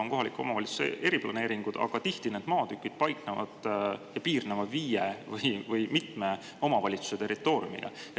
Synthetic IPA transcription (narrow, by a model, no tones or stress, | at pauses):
oŋko̞ɦɑlikːˑuo̞mɑvɑlʲit̪su̥sḛʔe̞ɾiplɑne̞ːɾiŋɡ̥ud̪ɑ̰ɡ̥ɑt̪iht̪ine̞d̪̥mɑːt̪ykːˑid̪̥pɑjk̚nevɑ̰d̪̥jɑpiːrnevɑviːjevɯjvɯjmit̪me̞ | o̞mɑvɑlʲit̪su̥set̪e̞rit̪ːˑo̞ːɾj̰ṵmḭɡ̥ɑ̰e